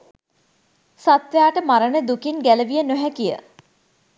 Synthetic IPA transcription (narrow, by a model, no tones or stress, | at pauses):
sat̪ʋjaːʈəmaɾəɳəd̪ukinɡæləʋijənoɦækijə̰